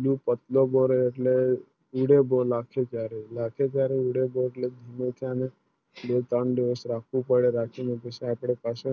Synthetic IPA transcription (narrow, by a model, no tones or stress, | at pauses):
lupət̪loboɾeːʈle | uɽebolakʰek̪jaɾelakʰed͡ʒjaɾeuɽeboeʈled̪ʱimet̪ʰiəne | bet̪əɳd̪iʋəsɾakʰʋũpəɽeɾakʰimeɡeseapɽ̃epase